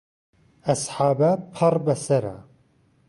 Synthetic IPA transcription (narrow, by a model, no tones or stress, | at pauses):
ɐsħaːbɐpʰɐrbɐsɐɾa̰